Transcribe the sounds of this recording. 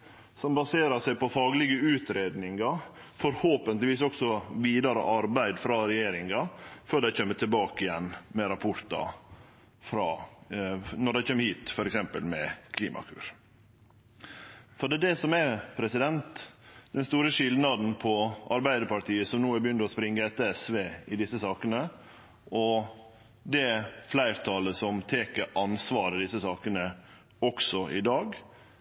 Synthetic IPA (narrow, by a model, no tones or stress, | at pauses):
sɔmbɑseːɾɑsæɪpɔfɑːɡlɪɡəʉːt̪ɾeːd̪nɪŋɑ | fɔɾhoːpənt̪lɪʋiːsɔksɔʋiːd̪ɑɾə̰ʔɑɾbæɪd̪fɾɑɾɛjeːɾɪŋɑføːɖæɪt͡ɕʰømːət̪ʰɪlbɑːkɪjɛnːmɛɾɑpʰʊɾt̪ɑ̰ | fɾɑː | nɔɖæɪt͡ʃʰøːməhiːt̪fɔɾɛksɛmpə̰lmɛkʰlḭːmɑ̰kʰʉ̰ːɾ | fɔɖ̪ɛːd̪ɛsɔmæpʰɾɛsɪd̪ɛnt̪d̪̥ɛnst̪uːɾəʂɪld̪nɑd̪n̩pʰɔʔɑɾbæɪd̪əɾpɑʈ̪iːəsɔmnuːæɾbjʏnd̪əɔspɾɪŋːəɛt̪ːəɛsʋeːɪd̪ɪsːəsɑːkənə | ʔɔ | d̪ɛflæɪɾt̪ʰɑːləsɔmt̪ʰeːkəʔɑnsʋɑːɾəd̪ɪsəsɑːkənə | ɔksɔɪd̪ɑːɡ